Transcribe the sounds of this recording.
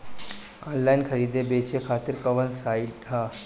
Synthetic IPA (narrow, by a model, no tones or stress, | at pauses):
aːnlainkʰəɾiːd̪ebet͡ɕekʰaːt̪iɾkəʋənsaiʈɦa